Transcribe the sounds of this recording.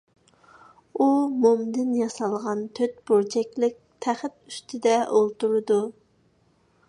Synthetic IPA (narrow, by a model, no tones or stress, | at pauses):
umomd̪ɪnjɑsɑlˠʁɑnt̪ʰøt̪b̥oɾt͡ʃʰɛkʲlɪk̚ʲt̪ʰæχt̪y̥st̪ʰɪd̪ɛʔolˠt̪uɾɨd̪u